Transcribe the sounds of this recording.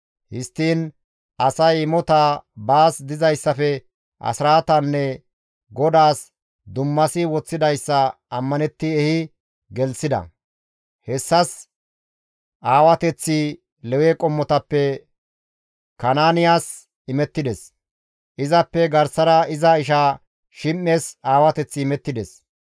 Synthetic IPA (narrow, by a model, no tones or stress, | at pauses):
hɪst̪ːiːn | ɐsɐjɪmɔt̪abaːsd̪ɪzɐjsːɐfɛ | ʔɐ̰sɪɾaːt̪ɐnːɛ | ɡɔd̪aːs | d̪ʊmːɐsɪwɔt͡sːɪd̪ɐjsːɐ | ɐmːɐnɛt̪ːɪɛhɪ | ɡɛlsɪd̪ɐ̰ | hɛsːɐs | ʔaːwɐt̪ɛt͡sːi | lɛwɛkʼɔmːɔt̪ɐpːɛ | kɐnaːnɪjaːs | ɪmɛt̪ːɪd̪ɛs | ʔɪzɐpːɛɡɐɾsɐɾɐɪzɐɪʃaː | ʃɪmːeːsaːwɐt̪ɛt͡sːɪmɛt̪ːɪd̪ɛs